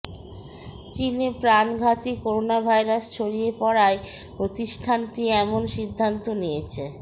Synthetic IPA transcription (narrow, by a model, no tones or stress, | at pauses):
t͡ɕinepɾanɡʱat̪ikoɾonabʱajɾast͡ɕʰoɽiepɔɽaepɾot̪iʃʈʰanʈiɛmonʃid̪ʱːant̪onijet͡ɕʰe